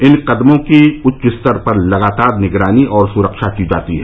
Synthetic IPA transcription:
ɪnqɐd̪mõkiʊtːt͡ʃɪst̪əɾpɐɾlɐɡaːt̪aːɾnɪɡɾaːniʔɔːɾsʊɾəkʃakid͡ʒa̰ːt̪iɦɛː

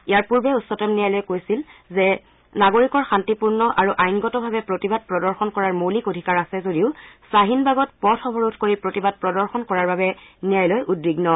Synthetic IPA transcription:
ijaɹpuɹbɛusːɔtɔmnijajlɔjkojsilzɛ | naɡoɹikɔɹxantipuɹnɔʔaɹuʔajnɡɔtɔbʱabɛpɹotibad̚pɹɔdɔɹxɔnkɔɹaɹmolikodʱikaɹasɛzodiʊsaɦinbaɡɔtpɔtʰɔbʱɔɹutʰkoɹipɹotibad̚pɹɔdɔɹxɔnkɔɹaɹbabɛnijajlɔjʔudbiɡnɔ

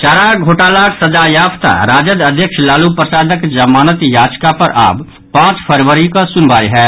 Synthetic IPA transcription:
t͡ʃaːɾaɡʱoːʈaːlaːksɐd͡ʒaːjaːft̪a̰ɾaːd͡ʒəd̪ɐd̪ʱjəkʃlaːlupɾəsaːd̪əkd͡ʒɐmaːnət̪jaːd͡ʒkapɐɾʔa̰ːb | pãːt͡ʃpʰəɾʋəɾikasʊnbaːiɦɛː

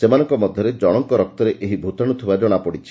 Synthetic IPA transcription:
semanɔŋkɔmɔd̪ʱjɔɾed͡ʒɔɽ̃ɔŋkɔɾɔk̚t̪ɔɾeʔeɦibʱut̪aɽ̃ut̪ʰibad͡ʒɔɽ̃apɔɽit͡ʃʰi̥

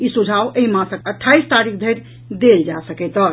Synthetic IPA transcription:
isud͡ʒʱawʔeimãsəkəʈʰːaist̪aɾikʰd̪ʱəjɾ | d̪eld͡ʒasəkɛt̪ɔɾ

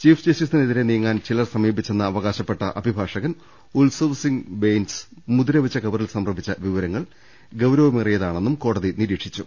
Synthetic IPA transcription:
t͡ɕiːfd͡ʑesisnineðiɾenijŋːaːnt͡ɕilɐrsɐmiːbit͡ɕːe̞nːɐːʋɐɣaːɕɐpːe̞ʈːɐʔɐbʱibʱaːʂɐɣɐn | ulsɐʋsiŋɡbejnsmuðiɾɐʋɐt͡ɕːɐkɐʋɐrilsɐmrɐbʱit͡ɕːɐʋiʋɐɾɐŋːɐɭ | ɡɐwɾɐʋɐmirijɐðaːɳe̞nːumko̞ːɽɐðiniɾiːʈʂit͡ɕːu

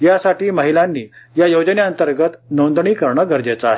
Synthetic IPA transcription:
jasaʈiːməɦilanːiːjajod͡ʑəneənt̪əɾɡət̪nond̪ɳiːkəɾɳəɡəɾd͡ʑet͡saːɦe

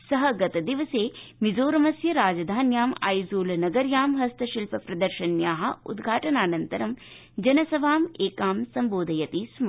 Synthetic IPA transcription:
sɐɦɐɡɐt̪ɐd̪iʋɐseːmizoːɾɐmɐsjɐɾaːd͡ʒɐd̪ʱaːnjaːmɐ̰jzuːlnɐɡɐɾjaːmɦɐst̪ʰɐʃilpɐpɾɐd̪ɐɾʃɐnjaːɦɐ̆ṵd̪ɡʱaːʈɐnaːnɐnt̪ɐɾɐm | d͡ʒɐnɐsɐʋʱaːmeːkaːmsɐmboːd̪ʱɐjɐt̪iːsm

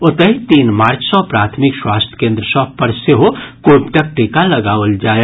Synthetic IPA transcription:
ot̪əɦit̪iːnmaːɾt͡ʃʰsə̃pɾaːt̪ʰmikswaːst̪ʰj̥kẽnd̪ɾəsʌ̃pəɾseɦokobʈək̚ʈikaləɡaʋəld͡ʒaːe

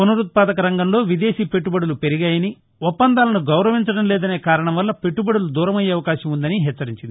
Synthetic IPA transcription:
onuɾut̪̚paːd̪ɐkɐɾɐŋɡɐmlo̞ːʋid̪e̞ːʃiːpe̞ʈːubɐɽulupeɾiɡaːjɐni | ɔpːɐnd̪aːlɐnuɡɐwɾɐʋiɲt͡ʃɐɽɐmleːd̪ɐne̞ːkaːɾɐɳɐmʋɐlːɐpe̞ʈːubɐɽulud̪uːɾɐmɐjeːɐʋɐkaːʃɐmund̪ɐniɦɛːt͡ʃːɐɾiɲt͡ʃind̪i

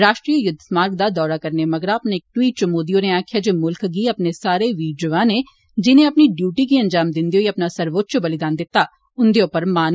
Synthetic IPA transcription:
ɾaːʃʈɾiːjəjʊd̪ʱmaːɾɡ̚d̪ad̪ɔːɾakɐɾnemɐɡəɾaːpnek̚ʈwiːʈ̚t͡ʃɐmoːd̪ijoneaːkʰjad͡ʒoːmʊlkɡiɐpnesaːɾeʋiːɖjoːãːne | d͡ʒɪnẽɐpniɖjuːʈikiɐ̃nd͡ʒaːmd̪ɪ̃nd̪ioːiɐpnasɐɾʋoːt̪̚ːt͡ʃobɐlɪd̪aːnd̪ɪt̪ːa | ʊnd̪eõːpəɾmaːn

